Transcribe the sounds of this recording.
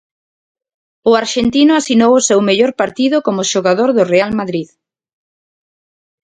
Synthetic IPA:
ʊaɾʃent̪inʊasinowʊsewmeʎoɾpaɾt̪iðʊkomʊʃoɣaðoɾðʊrealmaðɾið

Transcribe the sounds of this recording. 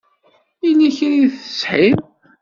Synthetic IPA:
inːiçəniθə̥sħim

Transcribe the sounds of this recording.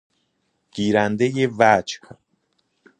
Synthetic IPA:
ɡ̥iːɾænd̪ejevæt͡ʃkʰ

